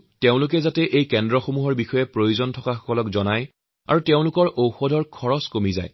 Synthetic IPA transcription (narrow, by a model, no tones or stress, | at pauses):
teʊ̃lʊk̬ɛzatɛʔejkɛndɹɔxomuɦɔɹbixɔjɛpɹojuzɔntʰɔkaxɔ̥kɔlɔkzɔnaj | a̰ɹuteʊ̃lʊkɔɹʔowxɔdʱɔɹkʰɔɹɔskomiza̰j